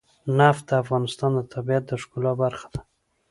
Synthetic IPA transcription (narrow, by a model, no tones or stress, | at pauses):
naft̪̚d̪əafɣɑnɪst̪ɑnd̪ət̪ʰabijat̪̚d̪əʂkulɑbaɾxḁd̪ḁ